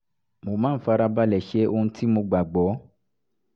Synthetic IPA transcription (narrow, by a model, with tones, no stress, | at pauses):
mo˨mãː˨˦fa˧ɾa˧ba˧lɛ˨ʃe˧˦o˧hũ˧tʰi˦mo˧ɡ͡ba˨ɡ͡bɔ˨˦